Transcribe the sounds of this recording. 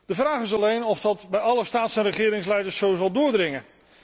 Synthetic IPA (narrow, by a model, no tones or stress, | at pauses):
d̥əvraːχɪs̬ɑlejnɔfdɑtbɛjɑləstaːtsɛnrəχɪːɾɪŋslɛjdəɹsːowzɑlˠdʊːɹdrɪŋə